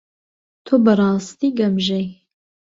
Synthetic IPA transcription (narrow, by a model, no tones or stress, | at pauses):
t̪ʰoːbərˤɑːst̪iːɡɐmʒej